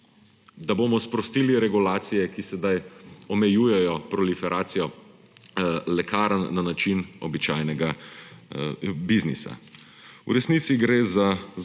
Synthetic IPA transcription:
d̪aboːmɔspɾɔst̪iːliɾɛɡulaːt̪sijɛkisɛd̪ajɔmɛjuːjɛjɔpɾɔlifɛɾʔaːt̪sijɔ | lɛkaːɾanːanat͡ʃinɔbit͡ʃaːjnɛɡa | biznḭsa̰ | ṵɾɛsnit̪siɡɾeːza

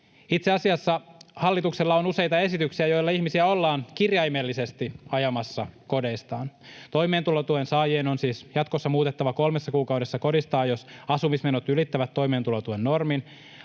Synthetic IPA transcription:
it̪seɑsiɑsːɑhɑlːit̪ukselːɑonuse̞jt̪ɑe̞sit̪yksiæjojlːɑiçmisiæo̞lːɑːnkirjɑjmelːise̞st̪iɑjɑmɑsːɑko̞de̞ist̪ɑːnt̪o̞jme̞ːnt̪ulot̪uensɑːjeːno̞nsiːsjɑt̪kosːɑmuːt̪e̞t̪ːɑʋɑko̞lmesːɑkuːkɑuwɾe̞sːɑko̞dist̪ɑːjo̞sɑsumisme̞not̪ylit̪ːæʋæt̪ːo̞ime̞ːnt̪ulot̪uenːo̞rmin

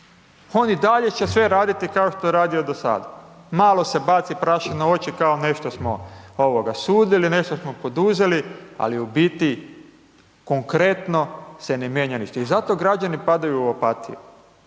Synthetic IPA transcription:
o̞nid̪aʎe̞t͡ɕe̞sʋe̞ɾaːd̪it̪ikao̞ʃt̪ojeɾaːd̪io̞d̪o̞sa̰ːd̪amaːlˠo̞se̞bat̪sipɾaʃenoo̞t͡ɕikao̞ne̞ʃt̪o̞smo̰oʋo̞ɡasuːd̪iline̞ʃt̪o̞smo̞po̞d̪uze̞lia̰liubit̪i | ko̞ŋkɾe̞t̪no̞senemjeɲanit͡ʃt̪eizat̪o̞ɡɾad͡ʒanipad̪ajuːapat̪ḭju

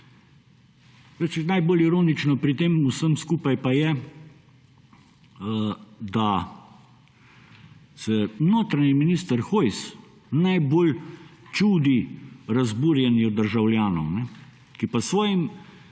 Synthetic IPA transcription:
et͡ʃɛnajboːliɾoːnit͡ʃnɔpɾit̪eːmusəmskuːpajpajɛ | d̪a | sɛnoːt̪ɾaɲiminiːst̪əɾxojs | najboːlt͡ʃuːd̪iɾazbuːɾjɛnjɔd̪əɾʒawlʲjaːnɔwnɛ | kipɐsʋɔːjim

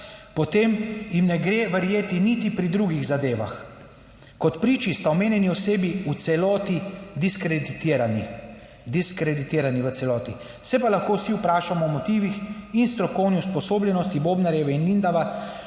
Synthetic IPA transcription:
pɔt̪emjimnɛɡɾeːʋəɾjeːt̪init̪ipɾid̪ɾuɡiɣzad̪eːʋa̰x | kɔt̪pɾiːt͡ʃist̪aɔmeːnjɛniɔseːbiut̪sɛlɔːt̪id̪iskɾɛd̪it̪ːɾani | d̪iskɾɛd̪it̪eːɾaniʋəsɛlɔːt̪i | sɛpalaxkoːwsiupɾaːʃamɔːmɔt̪iːʋixinst̪ɾɔkɔwniuspɔsoːblʲjɛnɔst̪iboːbnaɾjɛʋɛinlind̪aʋa

